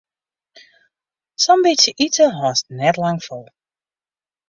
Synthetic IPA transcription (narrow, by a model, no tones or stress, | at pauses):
sʌmbitəʔitəɦɔːsnɛtlɑŋfɔlˠ